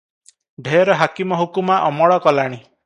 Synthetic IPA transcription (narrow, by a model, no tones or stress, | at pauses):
ɖʱeɔɾɔɦakimɔɦukumaʔɔmɔɭɔkɔlaɽ̃i